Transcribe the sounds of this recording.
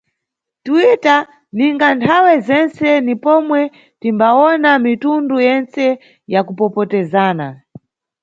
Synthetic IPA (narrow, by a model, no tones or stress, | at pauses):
twita | niŋɡantʰawɛzɛnt͡sɛnipɔmwɛ | timbaɔnamitundujɛnt͡sɛ | jakupɔpɔtɛzaːna̰